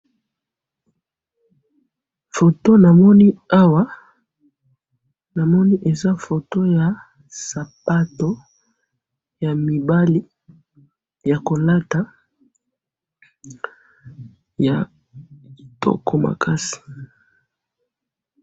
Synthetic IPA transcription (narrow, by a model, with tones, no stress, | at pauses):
fo˨to˦na˨mɔ˦ni˦a˦wa˦ | na˨mɔ˦ni˦ʔe˨za˦fo˨to˦ja˨ | sa˨pa˦to˨˦ | ja˨mi˨ba˦li˦ | ja˨ko˨la˦ta˦ | ja˨ | i˨tʰɔ̰˦kʰɔ˨ma̰˨kʰa˦si̥˨